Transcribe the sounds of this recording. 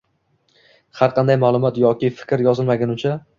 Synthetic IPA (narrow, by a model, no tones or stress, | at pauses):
haɾqʰɑnd̪ajmaːlˠʊmɒt̪jɒkʲɪfɪ̥kʲɾjɒzɪlˠmaɡʲanʊt͡ʃʰa